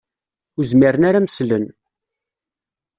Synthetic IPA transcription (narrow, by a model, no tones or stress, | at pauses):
uzmiɾənaɾaməslən